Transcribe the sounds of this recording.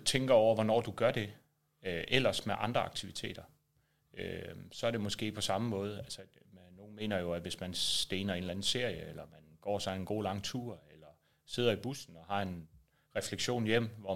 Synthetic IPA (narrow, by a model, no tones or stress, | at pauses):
t͡sʰeŋɡ̥ɐɒʊ̰ɐʋɒnɒ̰ːd̥uɡ̥ɶɐd̥e̝ | ʔel̰ɐsmeʔɑ̈nd̥ʁɐɑ̈ɡ̥̚t͡sʰiʋit͡sʰe̝̰ːd̥ɐ | øsɒ̽ɐɾ̥e̝mɒ̽sɡ̥e̝̰̥ːpʰɒ̽sɑ̈məmɔ̽ːð̞̩ˠælsənːo̝ːn̩me̝̰ːnɐjo̝æʋe̝smænd̥eːnɐe̝nlæn̩se̝ɐ̰jəelɐmænɡ̥ɒ̰ːsɒ̽e̝nɡ̥o̝̰ːlɑ̈ŋ̰t͡sʰuɐ̰elɐ | se̝ð̞̰ˠɐib̥usn̩ɒ̽hɑ̈e̝n | ʁɛfleɡ̥ɕo̝̰ːnjem̰ʋɒ